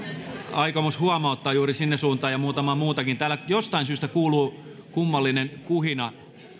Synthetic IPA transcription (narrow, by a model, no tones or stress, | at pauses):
ɑikomoshuɑmɑot̪ːɑːjuːrisinːesuːnt̪ɑːjɑmuːt̪ɑmɑmuːt̪ɑkint̪æːlæjost̪ɑinsyːst̪ækuːluː | kumːɑlːinenkuhinɑ